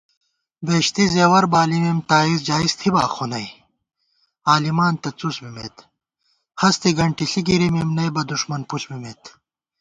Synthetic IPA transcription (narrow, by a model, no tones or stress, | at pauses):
beːɕt̪izeːwɐɾbaːlimimt̪aːizd͡ʑaːist̪ʰibaːxonɐj | aːlimaːnt̪ɐt͡susbimḛt̪ | hɐst̪iɡɐɳʈiɬiɡiɾimimnɐjbɐd̪uʂmɐnpuɬbimeːt̪